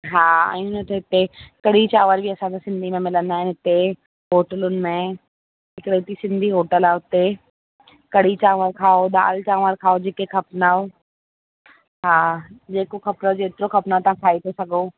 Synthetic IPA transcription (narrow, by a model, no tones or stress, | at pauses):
ɦaːɛ̰̃ːʊnʊt̪eɦɪt̪ekɐɽ̤it͡ɕaːʋəɾbʱiɐsãd͡ʑasɪ̃nd̪ʱimẽmɪlə̃nd̪aːɦɪnɪɦɪt̪e | ɦoːʈəlʊnɪ̆mẽ | ɦɪkɽeʊt̪isɪ̃nd̪ʱiɦoːʈəlaːʊt̪e | kɐɽ̤it͡ɕaːʋəɾkʰaːod̪a̰ːlt͡ɕaːʋəɾkʰaːod͡ʑeːkekʰɐpnao | ɦaːd͡ʑeːkokʰɐpnod͡ʑoet̪ɪɾokʰɐpnaot̪ɐʋ̤ãkʰaːit̪ʰesɐɡʱo